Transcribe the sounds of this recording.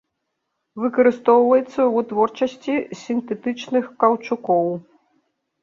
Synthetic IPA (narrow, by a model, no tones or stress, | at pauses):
vɨkɐɾɨst̪ɔwvɐjɛt̪sːɐwut̪vɔrt͡ʂɐsʲt͡sʲisʲint̪ɛt̪ɨt͡ʂnɨxkɐwt͡ʂukɔw